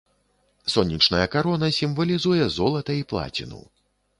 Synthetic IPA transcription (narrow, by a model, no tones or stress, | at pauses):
sɔnʲːit͡ʂnɐjɐkaɾɔnɐsʲimvɐlʲizujɛzɔlˠɐt̪ɐiplˠa̰t͡sʲḭnṵw